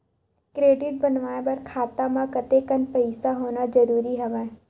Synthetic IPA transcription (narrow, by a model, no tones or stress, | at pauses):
kɾeːɖɪʈ̚bənʋaːẽbɐɾkʰaːt̪amãkət̪ekənpəɪsaɦoːnad͡ʒəɾuːɾiɦɐʋa